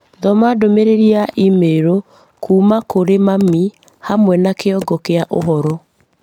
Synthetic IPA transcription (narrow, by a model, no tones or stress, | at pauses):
ðɔmadomeɾeɾiaʔimeɾo | kʰuːmakoɾemami | hamwɛnakeɔɡɔkeaʔo̰ɦɔɾɔ